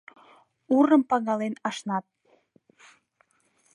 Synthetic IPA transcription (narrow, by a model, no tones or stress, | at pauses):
uɾəmpɑɣɑlenɑʃnɑt̪̚